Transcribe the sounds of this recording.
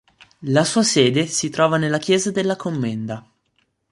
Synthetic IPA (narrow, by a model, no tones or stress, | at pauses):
lasuːasɛːd̪esit̪ɾɔːvanelːak̟jɛːzad̪elːakʰomːɛnd̪a